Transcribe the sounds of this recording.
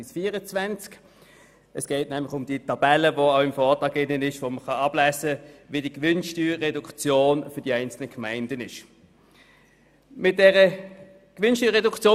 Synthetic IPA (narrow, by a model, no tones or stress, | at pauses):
ɪsfiːəʁət͡svænt͡sk | əsɡ̥ɛɪtnɛmlɪχʊmd̥iətɑb̥ɛləvoaʊɪmfɔːʁtɑːɡɪnːənɪʃʋoməχɑɑb̥læzəʋidiəkʋʏnʃtyːɛdukt͡sjoːnfʏɐdiæɪnt͡sl̩nəkʰmæɪndənɪʃ | mɪt̚d̥ɛʁə | kʋʏnʃtyːɐʁɛdukt͡sjoː